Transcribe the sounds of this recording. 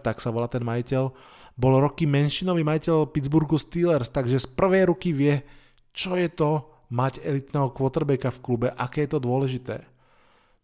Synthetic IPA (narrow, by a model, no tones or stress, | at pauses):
t̪aksaʋɔlat̪ɛnmajicɛl | bɔlɾɔkimɛnʃinɔʋiːmajicɛlpid͡zbuɾɡust̪iːlɛɾst̪aɡʒɛspr̩ʋɛjɾukiʋɪɛ | t͡ʃɔjɛt̪ɔ | maɟɛlit̪nɛːɦɔkʋɔt̪ɛɾbɛkafklubɛʔakɛːjɛt̪ɔd̪ʊɔlɛʒit̪ɛ̰ː